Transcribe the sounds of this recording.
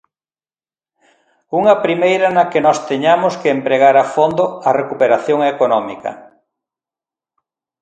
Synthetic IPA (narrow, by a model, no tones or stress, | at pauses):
uŋɐpɾimejɾɐnɐkenɔst̪eɲamʊskeːmpɾeɣ̞aɾafond̪oɐrekupeɾaθjoŋekonɔmikɐ̰